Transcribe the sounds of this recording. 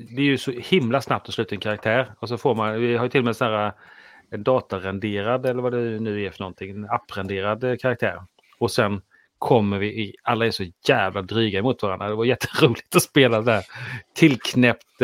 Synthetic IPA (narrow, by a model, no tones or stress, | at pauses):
d̪ɛæɾjɵsɔhɪmlasnap̚t̪ɔslʉ̟ːt̪aɛnkʰaɾak̚t̪ʰæːɾɔs̬ɔfoːɾmanvɪhaɾjʏt̪ʰɪlːɔmɛnsnæːɾa | ɛnd̪ɑːt̪aɾɛnd̪eːɾad̪ɛlːəɾvad̪ɛnʉ̟ːæɾfœɳɔnt̪ʰɪŋɛnapːɾɛnd̪eːɾad̪kʰaɾak̚t̪ʰæ̰ːɾ | ɔsɛn | kʰɔmːəɾvɪʔɪalːaæʂɔjæːvlad̪ɾyːɡaɛmuːt̪vaɾand̪ɾad̪ɛvajʏjɛt̪ʰːə̥ɾuːlɪɡ̚t̪ɔspeːlasɛnæːɾt̪ʰɪlːkʰnɛpt̪